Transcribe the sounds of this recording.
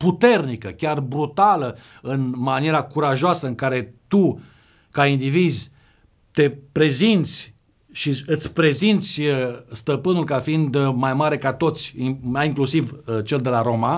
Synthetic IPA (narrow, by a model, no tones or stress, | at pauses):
put̪e̞rnikəkʲarbɾut̪alə | ɨnmanijeɾakuɾaʒoasəɨŋkaɾe̞t̪u | kaind̪ivizʲ | t̪e̞pɾe̞zint̪sʲ | ʃiɨt̪sʲpɾe̞zint̪sʲst̪əpɨnulkafiind̪majmaɾe̞kat̪o̞t̪sʲmajiŋklusivt͡ʃe̞ld̪e̞laɾo̞ma